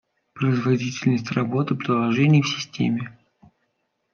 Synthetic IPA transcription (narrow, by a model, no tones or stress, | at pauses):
pɾəɪzvɐdʲitʲɪlʲnəsʲtʲrɐbo̞t̪ɨpɾʲɪlˠɐʐɛnʲɪjəfsʲɪ̥sʲtʲḛmʲɪ